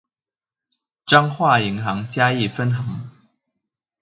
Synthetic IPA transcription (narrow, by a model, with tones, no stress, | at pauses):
ʈ͡ʂɑ˥ŋxwa˥˩i˧˥ŋxɑ˧˥ŋt͡ɕja˥i˥˩fə˥nxɑ˨˧˥ŋ